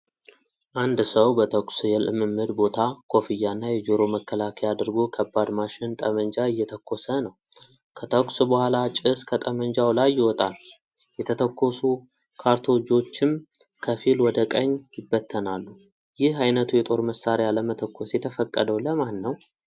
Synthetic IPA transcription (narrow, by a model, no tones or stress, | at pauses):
ʔand̪səwbət̪ʰəkʷsjɛlɨmːɨmːɨd̪bo̞t̪ʰakʰo̞fijːanːajɛd͡ʒoɾo̞məkːəlakʰəjad̪ɨɾɡo̞kʰəbːad̪maʃɪnt̪ʼəmənd͡ʒaɨjːɛt̪ʰəkʰːo̞sənəw | kʰət̪ʰəkʷʼsubəhʷalat͡ʃʼɪskʰət̪ʼəməɲd͡ʒawlajːɪwɔt̪ʼal | jɛt̪ʰət̪ʰəkːo̞su | kʰaɾt̪ʰo̞d͡ʒo̞t͡ʃːɪm | kʰəfilwɔd̪əkʼəɲːjɪbːət̪ʰːənalːu | jɪhajnət̪ʰujɛt̪ʼo̞ɾməsːaɾejaləmət̪ʰəkʰːo̞sjɛt̪ʰəfəkʼːəd̪əwləmanːəw